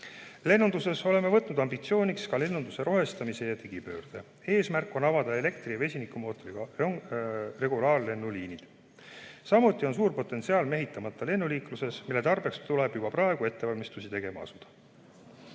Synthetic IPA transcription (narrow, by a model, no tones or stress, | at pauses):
le̞nːund̪use̞so̞le̞mːe̞vɤt̪nud̪̥ɑmbit̪sio̞ːnʲikskɑle̞nːund̪use̞ɾo̞ɦe̞st̪ɑmise̞jɑt̪iɡ̥ipø̞̰ːrd̪̥e̞ | e̞ːsmærkˑːo̞nɑvɑd̪̥ɑe̞le̞kt̪rijɑve̞sʲinikːˑumo̞ːt̪ːˑoɾiɡ̥ɑre̞ɡ̥ulɑːrle̞nːuliːnid̪̥ | sɑmut̪ˑːio̞ns̬uːrpo̞t̪ːˑe̞nt̪siɑːlme̞ɦit̪ːˑɑmɑt̪ːˑɑle̞nːuliːkluse̞smilːe̞t̪ɑrb̥e̞kst̪ule̞b̥jub̥ɑprɑe̞ɡ̥ue̞t̪ːe̞vɑlmist̪usit̪e̞ɡ̥e̞mɑ̰ɑ̰sud̪̥ɑ̥